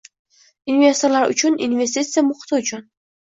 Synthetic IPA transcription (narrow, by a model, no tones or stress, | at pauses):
invʲe̞st̪oɾlaɾʊ̰t͡ʃʰʊnḭnvʲe̞s̬ʲt̪it̪sɨjamʊχt̪ʰɪʊt͡ʃʰʊn